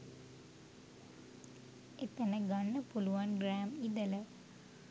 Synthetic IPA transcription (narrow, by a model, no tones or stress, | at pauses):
et̪ɐnəɡanːəpuluʋanɡɾæːmid̪ələ